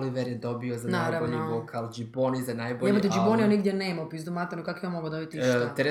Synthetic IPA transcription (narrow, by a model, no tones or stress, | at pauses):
liʋeɾjɛd̪o̞biozanaaɾɾaboʎiokʰald͡ʒiponizanajboeod̪ed͡ʒiponijoniɡd̪ʲjeneːmapizd̪umat̪anukakoijanmoɡod̪obit̪iʃt̪ɾe